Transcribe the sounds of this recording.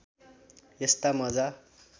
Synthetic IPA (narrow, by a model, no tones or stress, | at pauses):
jest̪amʌd͡za